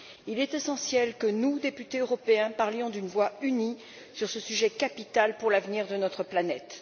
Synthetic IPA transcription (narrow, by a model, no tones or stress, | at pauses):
ilɛt̪esɑ̃sjɛlkənud̪epyt̪eøʁɔpeɛ̃paʁljɔ̃d̪ynvwayni | syʁsəsyʒɛkapit̪alpuʁlavniʁd̪ənɔt̪χəplanɛt̪